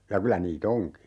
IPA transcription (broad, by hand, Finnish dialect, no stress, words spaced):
jɑ kylæ niːt oŋki